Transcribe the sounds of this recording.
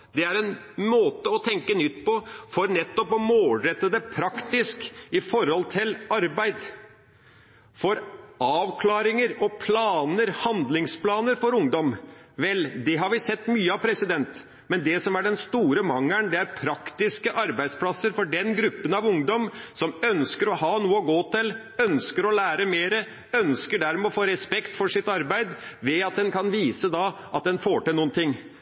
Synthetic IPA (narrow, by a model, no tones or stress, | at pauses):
d̪ɛæɾɛnmoːt̪əɔt̪ʰɛŋkənʏt̪ːpɔfɔɾnɛt̪ːɔpɔmoːlɾɛt̪ːəd̪ɛpʰɾɑkt̪ɪskɪfɔɾhɔlt̪ʰɪlɑɾbæɪd̪ | fɔɾɑːʋkʰlɑːɾɪŋəɾɔpʰlɑːnəɾhɑnd̪lɪŋspʰlɑːnəɾfɔɾʊŋd̪ɔmʋɛld̪ɛɦɑɾʋɪsɛt̪ːmyːəɑʋpʰɾɛsɪd̪ɛnt̪ | mɛnd̪ɛsɔmæɖɛnst̪uːɾəmɑŋːæɳd̪ɛæɾpʰɾɑkt̪ɪskəʔɑɾbæɪspʰlɑsːəɾfɔɖɛnɡɾʉpːənɑʋʊŋd̪ɔmsɔmœnskəɾɔhɑːnuːəɔɡoːt̪ɪl | œnskəɾɔlæːɾəmeːɾə | œnskəɖæɾmɛɔfoːɾɛspɛkt̪fɔʂɪt̪ɑɾbæɪd̪ʋɛɑt̪̚d̪ɛnkʰɑnʋiːsəd̪ɑʔɑt̪̚d̪ɛnfoːʈɪlnuːənt̪ʰɪŋː